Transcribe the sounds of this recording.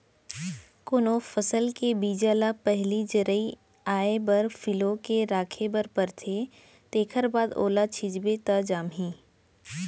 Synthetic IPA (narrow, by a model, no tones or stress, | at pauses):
kʊnofəsəlkebiːd͡ʒaːlapɛɦlid͡ʒəɾəi | aːebəɾfʰɪlokeɾaːkʰebəɾpəɾt̪ʰe | t̪eːkʰəɾbaːd̪o̰ːlat͡ʃʰɪd͡ʒbet̪ad͡ʒaːmɦĩː